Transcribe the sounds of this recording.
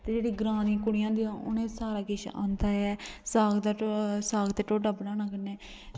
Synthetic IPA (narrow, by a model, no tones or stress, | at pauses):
t̪eːd͡ʒeːɽiːɡɾãːd̪ĩːkʊɽɪjãːd̪iãːʊ̰nẽːsaːɾaːkɪʃã̰ːnd̪aːɛːsaːɡd̪asaːɡt̪eːʈoːɖəbnãːnãːkəneː